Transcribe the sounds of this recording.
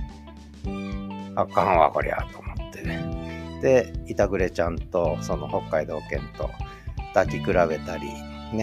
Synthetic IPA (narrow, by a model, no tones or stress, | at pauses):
akãɰ̃βa̰ko̰ɾʲḛa̰t̪oːmot̪ːe̞ned̪̥e̞it̪aɡɯ̟ɾe̞t͡ɕãnt̪o̞so̞noho̞kːaid̪o̞ːkẽ̞nt̪o̞̰ | d̪̥akʲikɯ̟ɾaβe̞t̪aɾʲḭ | ne